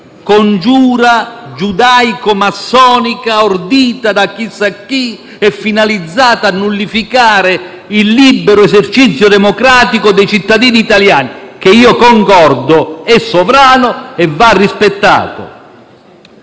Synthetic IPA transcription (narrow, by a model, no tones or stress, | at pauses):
kond͡ʒuːɾad͡ʒud̪aːjkʊmasːɔːnikaord̪iːt̪ad̪ak̟ːisːakːi | ɛfːinalid̪zːaːt̪aːnːulːifikaːɾɪ | ilːibːɛɾʊɛsert͡ʃit̪sːjʊd̪ɛmɔkɾaːt̪ikʊd̪ɛjt͡ʃit̪ːad̪iːniːt̪aljaːnik̟eiːokɔŋkɔrd̪ʊɛsːɔvɾaːnʊɛvːarːispet̪ːa̰ːt̪ʊ̰